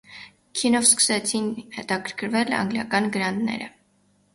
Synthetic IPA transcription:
kʰinɔvskə̥sɛt͡sʰinhɛt̪ɑkʰəɾkʰəɾvɛlɑ̰ŋɡljɑ̰kɑnɡəɾɑnd̪nɛ̰ɾə̰

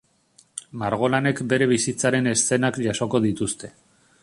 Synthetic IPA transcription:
maɾɣ̞o̞lane̞kbe̞ɾe̞βisit͡saɾe̞ne̞st͡se̞nakʎaso̞ko̞ðit̪ust̪e̞̥

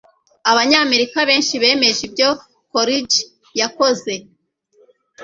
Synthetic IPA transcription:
aβaɲaːme̞ɾikaβe̞ːnʃiβe̞ːme̞ʒibjo̞ | koɾid͡ʒ | jako̞ze̞

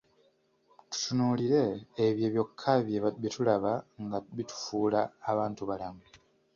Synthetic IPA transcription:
tu̥tunuːliɾe̞ːβjeβjo̞kʰːaβjeβaβitulaβaŋɡaβitu̥fuːlaːβaːntuβalamu

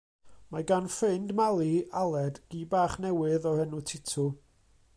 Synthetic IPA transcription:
maɡanfɨndmalˠialˠɛdɡ̥iːbaːχnɛwɨðɔhɛnutʰɪtʰʊ

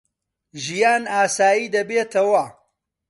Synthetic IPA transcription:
ʒijaːnaːsaːjiːd̪ɐbeːt̪ʰɐwɐ

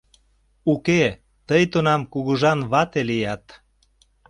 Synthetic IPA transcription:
uke | t̪əjt̪onɑmkuɣuʒɑnβɑt̪elijɑt̪

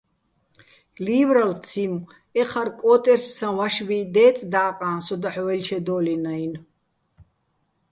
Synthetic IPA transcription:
liːvɾalt͡sʰim | ɛχʰaɾkʼɔːt̪ʼɛɾssãvaʃvid̪ɛːt͡sʼd̪aːqʼãːnsɔd̪aħwɛlt͡ʃʰɛd̪ɔːlinajn

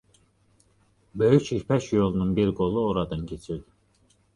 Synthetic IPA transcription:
bøjyt͡ʃipʰæʃjolˠununbiɾɡo̞lˠuoɾɑd̪ɑncʰet͡ʃʰiɾd̪i

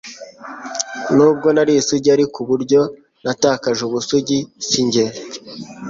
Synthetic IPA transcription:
nuːb̚ɡo̞naɾisuɟiaɾikuβuɾɟo̞ | natakaʒuβusuɟisiɲɟe

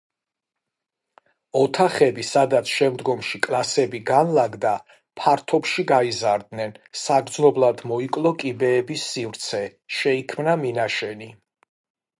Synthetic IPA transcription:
ɔt̪ʰaχɛbisad̪at̪sʰʃɛmd̪ɡɔmʃikʼlˠasɛbiɡanlaɡd̪a | pʰaɾt̪ʰɔpʃiɡaizaɾd̪nɛnsaɡɾd̪znɔblˠad̪mɔikʼlˠɔkʼibɛːbisːivɾt̪sʰɛʃɛikʰmnaminaʃɛni

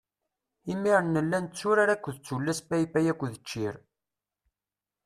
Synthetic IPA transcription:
imiɾənːəlːænt͡sːuɾaɾækʷːðət͡sːulːæsbæifæjækʷːðət͡ʃːiɾ

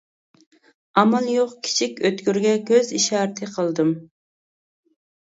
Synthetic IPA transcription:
ɑmɑlˠjoqkʲʰi̥t͡ʃʰikʲøt̪kʲyɾɡʲɛkʲʰøziʃɑːɾɨt̪ʰɨqʰəlˠd̪ɨm

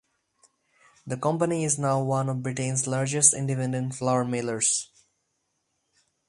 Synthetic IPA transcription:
d̪əkʌ̃mpəniɪznaʊwʌ̃nɔʋbɪʈẽnslaɾd͡ʒəsʈɪ̰̃ɳɖɪpɛ̃nɖə̃nʈflaʊəɾmeləɾs

